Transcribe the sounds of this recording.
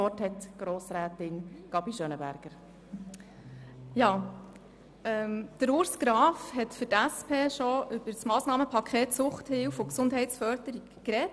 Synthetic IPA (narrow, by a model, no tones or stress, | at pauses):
ɔthɛtɡ̥ɾoːsɾæːtɪnɡ̥ɑbiʃønəbæ̰ɾɡ̥əɾ | jɑː | ɛmd̥əɾʊɾsɡ̥ɾɑːfhɛtfʏɾtæspʰeːʃɔʔʏb̥əɾsmɑːsnɑːməpʰɑkʰχeːtsʊχthɪlfʊksʊndɦɛɪtsfœɾd̥əɾiɡkɾɛt